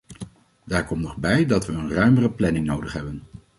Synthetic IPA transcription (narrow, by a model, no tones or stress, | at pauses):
daːɹkɔmtnɔχbɛjdɑtʋəənrœɥmərəplɛnɪŋnowdəχɦɛbən